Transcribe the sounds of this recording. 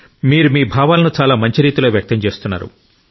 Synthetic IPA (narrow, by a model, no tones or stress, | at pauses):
miːɾumiːbʱaːʋaːlɐnut͡ʃaːlaːmɐɲt͡ʃiɾiːt̪ilo̞ːʋjɐk̚t̪ɐmt͡ʃe̞ːst̪unːa̰ːɾṵ